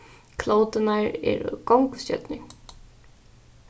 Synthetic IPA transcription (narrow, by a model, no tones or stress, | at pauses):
kʰloːwt̪ɪnaɹɛ̰ɾkowŋkscœ̰t̪nɪ